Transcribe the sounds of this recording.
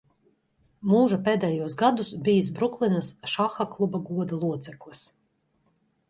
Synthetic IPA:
muːʒapeːd̪ɛjuɔsɡad̪usbijis̬bɾuklˠinasʃaxaklˠubaɡuɔd̪alˠuɔt̪sɛklˠis

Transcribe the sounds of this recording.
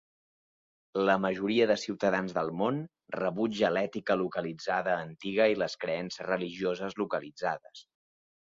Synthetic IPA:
ləməʒuɾiəðəsiwt̪əðanzðəlˠmon | rəβud͡ʒəlɛt̪ikəlukəlid͡zaðəːnt̪iɣəiləskɾəɛnsəzrəliʒiozəzlukəlid͡zaðəs

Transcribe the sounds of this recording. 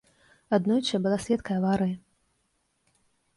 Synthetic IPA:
ad̪nɔjt͡ʃɐbɨlˠasʲlʲɛt̪kɐjɐvaɾɨji

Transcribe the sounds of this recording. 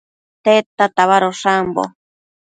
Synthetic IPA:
t̪et̪at̪aβaɾoʂambo̰

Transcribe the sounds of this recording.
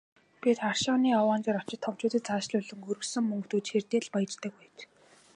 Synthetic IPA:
pʲit̪χarʃɔːniːawaːnt͡ɕɪ̆ɾɔ̥t͡ɕɪ̆t̪ʰːɔwt͡ɕʊːt̪ə̆t̪t͡saːʃɮʊɮɵ̆ŋɡɵɾɵ̆xsɵ̆ŋmɵŋkt̪uːt͡ɕxert̪eːɮpaj̆t͡ɕt̪ə̆k̚pæːt͡ɕ

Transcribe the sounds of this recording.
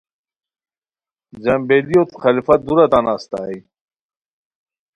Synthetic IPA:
zɐmbelijot̪xalifad̪uɾat̪anaːst̪a̰ːi

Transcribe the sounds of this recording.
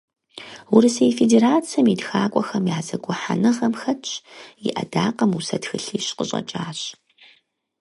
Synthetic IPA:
wʊɾɨsɐjfedeːɾaːt͡sʰɐmidxaːkʷʼɔxɐmjaːzɐɡʷʊħa̰nɨʁɐmxɐt͡ʃʰʼjiʔɐ̰daːqɐmusɐtxɨɬiːɕqəɕʼɐ̰t͡ʃʼaːɕ

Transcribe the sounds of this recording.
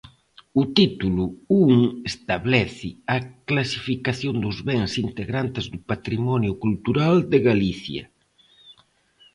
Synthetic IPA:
ut̪it̪uluuŋest̪aβlɛθɪaklasifikaθjond̪ʊzβeŋsint̪eɣɾant̪ezðupat̪ɾimɔnjʊkult̪uɾald̪eɣaliθjɐ̰

